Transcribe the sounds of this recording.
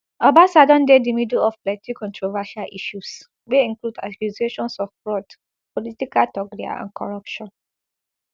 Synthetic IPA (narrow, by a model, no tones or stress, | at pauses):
abasadɔ̃ndedimidulɔfplɛtʰikɔ̃ntɹɔvaʃalʔiʃus | weĩŋkluda̰suzieʃɔ̃nsɔfbɹɔd | pɔlitikatɔɡɾia̰ã̰nkɔɹapʃɔ̃n